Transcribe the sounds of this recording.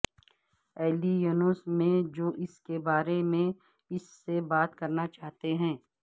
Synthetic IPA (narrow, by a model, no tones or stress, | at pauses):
ɛːlijuːnoːsmẽd͡ʒoːʔɪskebaːɾemẽ | ɪsːebaːt̪kɐɾnat͡ʃaːɦt̪eɦɛ̃ː